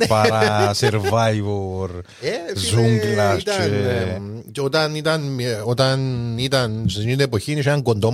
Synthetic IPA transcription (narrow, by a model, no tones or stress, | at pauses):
pɐɾɐseɾvajvoɾ | ezuŋɡlat̪t͡ʃ | cot̪ɐnit̪ɐnot̪ɐnit̪ɐnsinit̪epoçinisit̪ɐŋɡond̪o